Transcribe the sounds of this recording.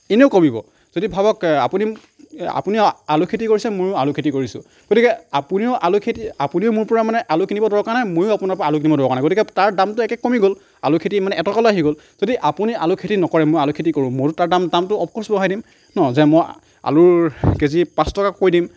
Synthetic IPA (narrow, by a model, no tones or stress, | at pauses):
eneʊkomibɔ̰ | z̥odibʱabɔka̰puni | a̰puniʊa̰lʊkʰetikoɹisɛmojʊalʊkʰetikoɹisʊ̰̃ | ɡ̥otikɛapuniʊʔalʊkʰetiapuniʊmʊɹpɔɹamanɛʔalʊkinibɔdɔɹɔkaɹnamojʊapʊnaɹpɔɹalʊkinibɔdɔɹɔkanaɡotikɛtaɹdamtʊɛkɛkːomiɡol | a̰lʊkʰetimanɛʔɛtɔkaloaɦiɡol | z̥odiʔapunialʊkʰetinɔkɔɹɛmojalʊkʰetikoɹʊ̃mʊtʊtaɹdamdamtʊɔpkɔɹsbɔɦajdim | nɔzɛmɔj | a̰lʊɹkezipãstɔkakojdim